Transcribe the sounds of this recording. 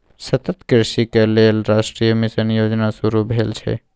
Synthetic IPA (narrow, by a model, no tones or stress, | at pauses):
sɐt̪ət̪kɾɪʃikeleːlɾasʈɾijəmisənjoːd͡ʒnasuɾubʱeːlt͡ʃʰḛ